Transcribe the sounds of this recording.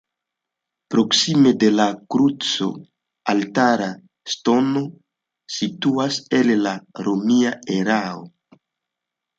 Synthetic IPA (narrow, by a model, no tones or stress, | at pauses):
pɾo̞ksime̞de̞lakɾut͡so̞̰ | altaɾa | sto̞no̞ | situase̞llaɾomiae̞ɾao